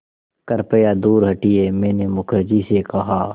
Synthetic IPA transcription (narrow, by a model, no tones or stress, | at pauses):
kɐɾpəjaːd̪uːɾɦɐʈieːmẽːnemʊkʰɾɪd͡ʒisekɐɦaː